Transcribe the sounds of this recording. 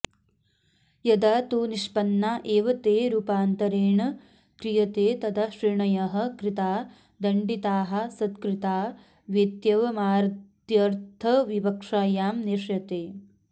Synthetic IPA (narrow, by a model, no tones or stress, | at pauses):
jɐd̪ɐt̪uniʂpɐnːaʔeːʋɐt̪eːɾuːpaːnt̪ɐɾeːɳɐ | kɾijɐt̪eːt̪ɐd̪ɐʃɾiɳɐjɐɦɐ̆kɾit̪aː | d̪ɐɳɖit̪aːɦɐ̆sɐt̪kɾit̪aː | ʋeːt̪jɐʋɐmaːɾtt̪jɐɾt̪ʰɐʋibɐkʂaːjaːmniʂjɐt̪eː